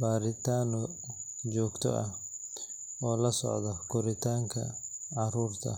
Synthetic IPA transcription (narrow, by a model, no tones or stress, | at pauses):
baːɾɪt̪ʰaːnɔ | d͡ʒɔːɡt̪ʰɔ̰ʔɐh | ɔːlɐsɔ̰ʕd̪ɔkʰʊɾɪt̪ʰaːŋkʰɐ̰ʕɑɾuːrt̪ʰɐ̰